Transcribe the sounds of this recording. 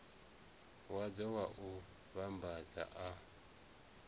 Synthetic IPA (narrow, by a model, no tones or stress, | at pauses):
wad͡zɔwaʔu | βambaza̰ʔa